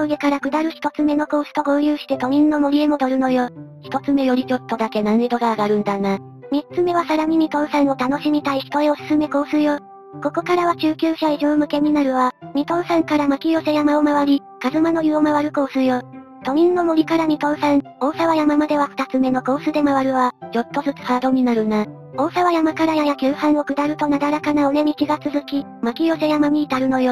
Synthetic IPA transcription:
oɡe̞kaɾakɯ̟d̪aɾɯ̟çʲi̥t̪o̞t͡sɨme̞no̞ko̞ːsɨ̥t̪o̞ɡo̞ːjɯːɕi̥t̪e̞t̪o̞ɲ̟ĩnːo̞mo̞ɾʲie̞mo̞d̪o̞ɾɯ̟no̞joːçi̥t̪o̞t͡sɨme̞jo̞ɾʲid͡ʑo̞t̪ːo̞d̪ake̞nãn̟ed̪o̞ɡaːɡaɾɯ̟̃nd̪ana | mʲitt͡sɨme̞βasaɾam̟iɲ̟it̪o̞ːsãɰ̃ot̪ano̞ɕimʲit̪aiçi̥t̪o̞eosɨ̥sɨme̞ko̞ːsɨjoː | ko̞ko̞kaɾaβat͡ɕɨːkʲɨːɕaiʑoːmɯ̟ke̞ɲ̟inaɾɯ̟βaɲ̟it̪o̞ːsãŋkaɾamakʲijo̞se̞jamaomaβaɾʲi | kazɨmano̞jɯomaβaɾɯ̟ko̞ːsɨjoː | t̪o̞ɲ̟ĩnːo̞moɾʲikaɾam̟it̪o̞ːsãŋo̞ːsaβajamamad̪e̞β̞aɸɯ̥t̪at͡sɨme̞no̞ko̞ːsɨd̪e̞maβaɾɯ̟βad͡ʑo̞t̪ːo̞zɨt͡sɨ̥haːd̪o̞ɲ̟inaɾɯ̟na | o̞ːsaβajamakaɾajajakʲɨːhãɰ̃o̞kɯ̟d̪aɾɯ̟t̪o̞nad̪aɾakanaoɾe̞mʲikʲiɡat͡sɨzɨkʲi | makʲijo̞se̞jamamʲiːt̪aɾɯ̟no̞jo

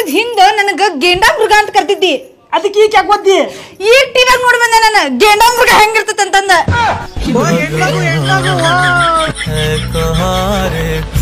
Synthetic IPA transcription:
d̪ɦind̪enɐnɐɡɐɡeːɳɖaːmbɾuɡaːnt̪ɐkɐɾt̪id̪ːi | ɐd̪ikːiːkjaːɡod̪i | iːɡ̚ʈiːʋaːɡnoːɽbɐnd̪enanuɡeːɳɖaːmɾuɡaːɦeŋɡiɾt̪ɐt̪ːɐnt̪ɐnd̪e | kɐɦaɾe

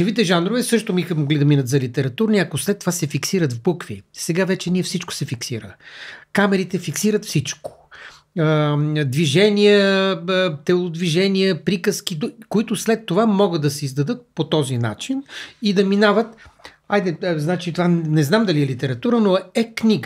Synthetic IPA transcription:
ɛvit̪ɛʒanɾovɛsɤʃt̪obixəmoɡlid̪ɐminət̪zɐlit̪ɛɾɐt̪uɾniɐkoslɛt̪ːovasɛfiksiɾət̪vbukvḭsɛɡavɛt͡ʃɛniɛfsit͡ʃko̥sɛfiksiɾəkamɛɾit̪ɛfiksiɾət̪fsit͡ʃko̥ | d̪viʒɛnijə | t̪ɛlˠod̪viʒɛniəpɾikəsk̟id̪koit̪ʊslɛt̪ːovamɔɡəd̪ɐsɛizd̪ɐd̪ɤt̪̚pot̪ɔzina̰t͡ʃinid̪ɐminavət̪ | ajd̪ɛznat͡ʃit̪ovanɛznamd̪ɐliɛlit̪ɛɾɐt̪uɾənoɛknʲiɡə

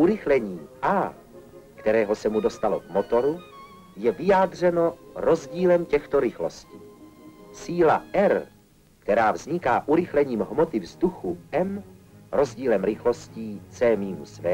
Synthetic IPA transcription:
ʔuɾɪxlɛɲiːʔaː | kt̪ɛɾɛːɦo̞sɛmudo̞st̪alo̞̰vmo̞t̪o̞ɾu | jɛvɪjaːd̪r̝ɛno̞ɾo̞zɟiːlɛmcɛxt̪o̞ɾɪxlo̞sciːsiːlaʔɛɾ | kt̪ɛɾaːvzɲɪkaːʔuɾɪxlɛɲiːmɦmo̞t̪ɪvzd̪uxuʔɛmɾo̞zɟiːlɛmɾɪxlo̞sciːt͡sɛːmiːmusvɛː

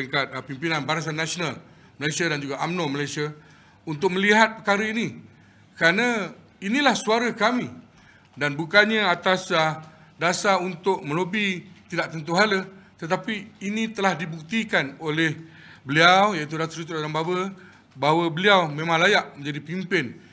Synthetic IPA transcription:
iŋkat̪̚pimpinanbaɾas̬anːasional | məlajsiadand͡ʒuɡaʔamnoməlajsia | unt̪ʊk̚mə̃liɦat̪̚pəkaɾəini | kəɾanã | inĩlahsuaɾəkamĩ | danbukanɲãat̪asa | dasaunt̪ʊʔ̚mə̃lobit̪idaʔt̪ənt̪̬uɦalət̪ət̪apiːnĩt̪əlahdibuk̚t̪ikanolɛh | bəliawjait̪̬udat̪əɾit̪uradaŋbabə | baɦawəbəliawmẽmãŋlajaʔ̚mə̃ɲd͡ʒadipimpɪn

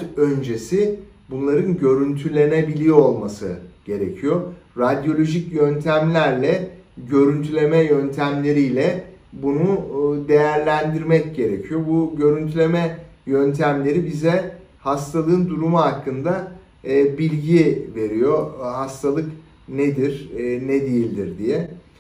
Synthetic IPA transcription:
ø̞nd͡ʒe̞si | bunlˠaɾɯnɟø̞ɾynt̪ʰylʲe̞nebilʲijo̞lˠmasɯ̰ɟ̥e̞ɾe̞̰cʰijoɾad̪jo̞lʲo̞ʒicjønt̪ʰæmlʲæɾlʲɛɟø̞ɾynt̪ʰylʲe̞mɛjønt̪ʰæmlʲe̞ɾijlʲɛbunud̪e̞jæɾlʲænd̪iɾmɛcɟe̞ɾe̞̰cʰijobuɟø̞ɾynt̪ʰylʲe̞mɛjønt̪ʰæmlʲe̞ɾibizɛ | hast̪ʰalˠɯːɯnd̪uɾumuɦakːɯnd̪aː | bilʲɟive̞ɾijoɦast̪ʰalˠɯk | ned̪iɾnɛd̪ejilʲd̪iɾd̪ijɛ

